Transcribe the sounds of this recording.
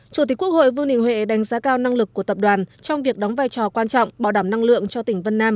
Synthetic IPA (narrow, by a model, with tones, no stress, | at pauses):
t͡ɕu˧˩t̪̬i˨˦ku˦˥ək̚ho̰˧˨jvɨ˧ŋnɗḭ˧˨ŋ̟hwḛ˧˨ɗa˨˦jŋzaː˨˦kaː˧wna˧ŋlɨ˨˩k̚ːu˧˩ət̪ə˨˩p̚ɗwaː˨˩nt͡ɕɔ˧wŋ͡mvi˨˩ək̚ɗɔ˨˦ŋ͡mvaː˧jt͡ɕɔ˨˩kwaː˧nt͡ɕɔ̰˧˨wŋ͡mɓaː˧˩wɗaː˧˩mna˧ŋlɨ̰˧˨əŋt͡ɕɔ˧t̪ï˧˩ŋ̟və˧nːaː˧m